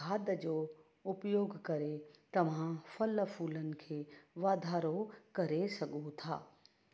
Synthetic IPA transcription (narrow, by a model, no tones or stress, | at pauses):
aːd̪d͡ʒoː | ʊpjoːɡkɐɾet̪ɐmãfʰɐləpʰuːlənɪ̆kʰeʋaːd̪ʱaːɾokɐɾesɐɡot̪ʰa̰ː